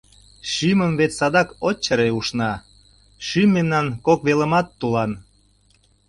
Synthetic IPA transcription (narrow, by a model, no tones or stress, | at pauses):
ʃyməmβet̪sɑd̪ɑkot͡ɕːəɾeuʃnɑ | ʃymːemnɑnkokβeləmɑt̪ːulɑn